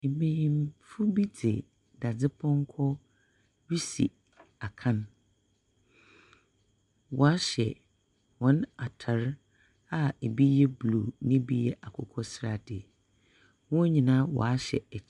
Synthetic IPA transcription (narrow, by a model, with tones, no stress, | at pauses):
e˨bĩ˦jĩ˦mfʊ˦bi˦d͡zɪ̰˨ | da˨d͡zɪ˦pʰɔ̃˦ŋ˦kʰɔ˦ | ɥi˦sḭ˨ | a˨kʰã˦n | wɔ˨a˦ɕɛ̰˨ | wɔ̃˦na˨tʰa˨ɾ | a˦e˨bi˦jɛ˦blu˨nɪ̃˦bi˦jɛ˦ʔa˨kʰɔ˨kʰɔ˦sɾa˨dɪ˨ | wɔ̃˦ɲĩ˨nã˦wɔ̰˨a˦ɕɛ̰˨ɛ˨˦